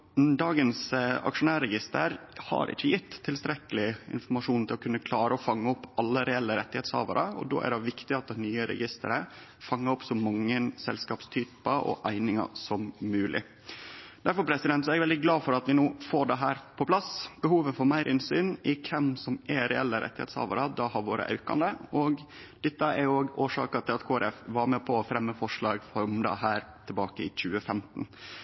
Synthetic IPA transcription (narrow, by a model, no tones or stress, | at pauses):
d̪ɑːɡənsɑ̰kʂʊnæːɾɛɡɪst̪ə̰ɾhɑ̰ɾʔɪ̰t͡ʃːəjɪt̪ːtʰːɪlst̪ɾɛkəlɪɪ̰nfɔɾmɑʂuːnt̪ʰɪlɔkʰʉnːəkʰlɑːɾəɔfɑŋːəɔpːɑlːəɾɛɛlːəɾɛt̪ːɪheːt̪shɑ̰ːʋəɾəɔ̰d̪o̰ːʔæ̰ɖɛʋɪkt̪ɪɑt̪̚d̪ɛnyːəɾɛ̰ɡɪst̪ə̰ɾəfɑŋːəɾɔpsɔmɑŋːənsɛlskɑːpst̪ʰyːpəʔɔ̰ʔæɪnɪŋɑ̰sɔmːʉːlʔɪ̰ | d̪æɾfɔɾpʰɾɛsɪd̪ɛnt̪sɔɛɡɛʋɛld̪ɪɡlɑːfɔɾɑt̪ʋɪnoːfoːɖɛɦæːɾpʰɔpʰlɑsb̥əhuːʋəfɔɾmæɪɾʔɪnsyːnɪkʰɛmsɔmɛɾɛɛlːəɾɛ̰t̪ːɪhḛt̪shɑ̰ːʋɑɾəd̪ɑhɑɾʋoːɾə̰ʔɑ̰ʉkɑ̰nd̪əɔɡ | d̪̥ɛt̪ːəɛɾoːɡoːʂɑ̰ːkɑt̪ʰɪlɑt̪kʰoːɛɾʔɛfʋɑɾmepʰɔɔfɾɛmːəfɔʂlɭɑːɡfɔɾmd̪ɛ̰ɦæːɾt̪ʰɪlbɑːkəɪ̰c͡çʉːəfɛmt̪n̩